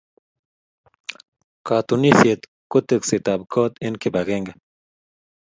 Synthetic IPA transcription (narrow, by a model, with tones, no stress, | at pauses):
ka˨t̪unisje˨t̪ | ko˦t̪e˨kse˨t̪a˨b̚kʰɔ˦t̪i˦nkiba˨ɡeŋɡa